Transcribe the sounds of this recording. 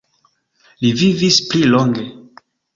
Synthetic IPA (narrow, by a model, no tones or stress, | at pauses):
livivisplilo̞ŋɡe̞